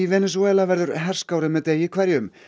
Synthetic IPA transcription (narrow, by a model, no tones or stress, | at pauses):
ivɛːnɛs̬ɔɛlavɛɾðʏɾɦɛr̥skaːwɾɪmɛðt̪eːjɪkʰvɛɾjʏm